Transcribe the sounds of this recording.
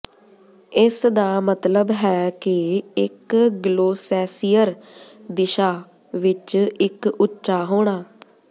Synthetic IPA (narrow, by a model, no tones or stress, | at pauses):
ɪsd̪aːmət̪ləbɦɛːkeɪkɡloːsɛːsijəɾd̪ɪʃaː | ʋɪt͡ʃɪkʊtːʃaːɦoːɳ̃aː